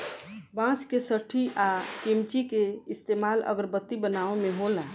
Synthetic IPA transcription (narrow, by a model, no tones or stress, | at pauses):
bãskesəʈʰiʔakimt͡ʃikeist̪emalə̰ɡəɾbət̪ːibənaemeɦola